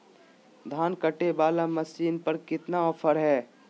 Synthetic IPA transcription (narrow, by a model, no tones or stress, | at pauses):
d̪ʱaːnkəʈebaːlamɐsiːnpɐɾkɪt̪naɔːfʰəɾɦɛː